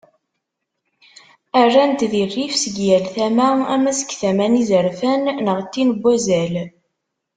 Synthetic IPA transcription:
ærˤːænt̪ðirːifsəɡjælθæmææmæsə̥kθæmænizəɾfænːəʁt̪ːinbːæzæl

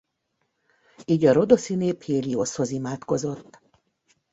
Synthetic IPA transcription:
iːɟɒɾo̞d̪o̞sineːpheːliosho̞zimaːt̪ko̞zo̞t̪ː

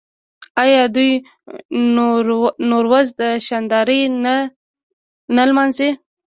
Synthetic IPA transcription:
ɑjɑd̪uj | noɾwazd̪əʃɑnd̪ɑɾən | nalmɑnze

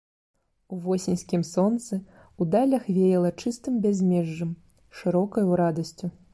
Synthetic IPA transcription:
uvɔsʲinʲsʲkʲimsɔnt̪sɨ | ud̪alʲɐxvʲejɛlˠɐt͡ʂɨst̪ɨmbʲɛzʲmʲɛʐːɨm | ʂɨɾɔkɐjuɾad̪ɐsʲt͡sʲu

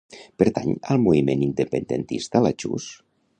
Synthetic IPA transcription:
peɾt̪aɲəlˠmuimenind̪epənd̪ent̪ist̪alat͡ʃṵs

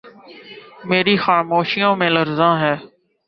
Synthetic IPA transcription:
meːɾiːxaːmoːʃijõːmẽːləɾzãːɦɛː

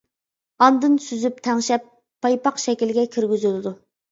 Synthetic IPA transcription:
ɑnd̪ɨnsyzyp̚t̪ʰɛŋʃɛpʰː | ɑjpɑqʃɛkʲilɡʲɛkʲʰiɾɡʲyzylɨd̪u

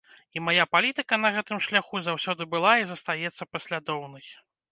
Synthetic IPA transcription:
imajapalʲit̪ɨkɐnɐɣɛt̪ɨmʂlʲaxuzawsʲɔd̪ɨbɨlˠaizɐst̪ajɛt̪sːɐpɐsʲlʲad̪ɔwnɐj

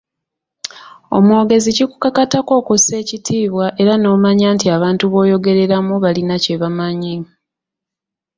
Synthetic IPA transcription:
o̞̰mwo̞ːɡe̞ziciku̥kakatako̞ːkose̞ːcitʰiːβwaʔe̞ɾano̞ːmaɲaːntiaβaːntuβo̞ːjo̞ɡe̞ɾe̞ɾamuβalinace̞βamaɲe

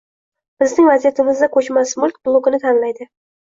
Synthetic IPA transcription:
b̥ɪznɪŋvazijat̪ʰɪmɪzd̪akʰot͡ʃmasmʊlˠkʲblˠoɡɪnɪt̪ʰanlajd̪ɪ

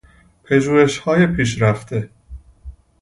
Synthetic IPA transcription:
pʰeʒuːeʃhɒːjepʰiːʃ̬ɾæft̪ʰe

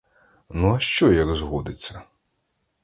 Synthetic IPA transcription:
nuɐʃt͡ʃɔjɐɡzɦɔd̪ɪt͡sʲːɐ

